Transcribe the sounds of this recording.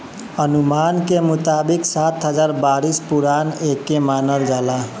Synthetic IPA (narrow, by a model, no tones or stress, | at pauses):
ənumaːnkemʊt̪aːbiksat̪ɦəd͡ʒaːɾbaɾispuɾaːnekːemaːnəld͡ʒaːla